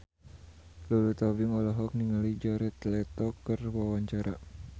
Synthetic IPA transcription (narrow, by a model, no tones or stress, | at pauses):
lulut̪abiŋɔlɔɦɔk̚niŋalid͡ʒaɾɛt̪lɛt̪ɔkərwawaɲt͡ʃaɾa